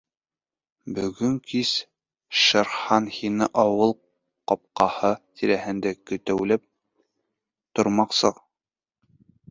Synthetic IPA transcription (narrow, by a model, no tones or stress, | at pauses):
bɵ̆ɡɵŋkis | ʃɑ̆ɾχɑnhinɘʔɒwɤlˠ | qɒp̚qɑhɤt̪ʰiɾæhɘ̆nd̪ækɵ̆t̪æwlɘp̚ | t̪ŏɾmɑqsɤq